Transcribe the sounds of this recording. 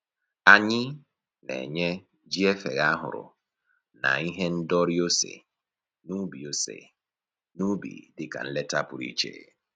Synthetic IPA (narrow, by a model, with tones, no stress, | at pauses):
a˨ɲɪ˦ | nḛ˨ɲe˦ | d͡ʒi˦e˦fe˨ɣa˦ɦʊ̰˨ɾʊ̰˨ | na̰˨i˦ɦe˦n̩˦dɔ˦ɾi˦o˦sḛ˨ | nu˦bi˨o˦sḛ˨ | nu˦bḭ˨dɪ˨ka̰˨n̩˦le˦ta˦pʊ˨ɾḭ˦t͡ʃḛ˦˨